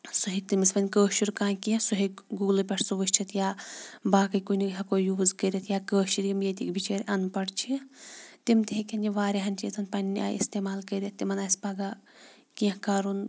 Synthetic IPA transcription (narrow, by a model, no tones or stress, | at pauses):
suɦit̪imispɐnʲkəːʃiɾkãːnkiɐ̃suɦi | ɡuːlɨpʲɐʈʰsuʋɐʃt͡ʃʰit̪ʰjaːbaːkɐkuniɦɐkoːjuːzkəɾʲɐt̪ʰjaːkəːʃiɾimjet̪ikbʱit͡ʃeːɾʲʔɐnpɐɽt͡ʃʰit̪imt̪iɦekʲɐnʲd͡ʒiʋaːɾʲiɦɐnʲt͡ʃit̪ʰɐnpɐnʲːia̰ːḭst̪eːmaːlkəɾʲɐt̪̚t̪ːimɐnaːspɐɡa | kiɐ̃kaːɾun